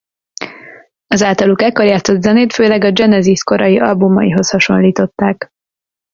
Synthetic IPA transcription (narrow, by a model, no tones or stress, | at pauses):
ɒzaːlt̪ɒlukɛkoɾjaːt̪so̞t̪zɛneːt̪føːlɛɡɒd͡ʒɛnɛzisko̞ɾɒjiʔɒlbumːɒjiɦo̞shɒʃo̞nliːt̪o̞t̪ːaːk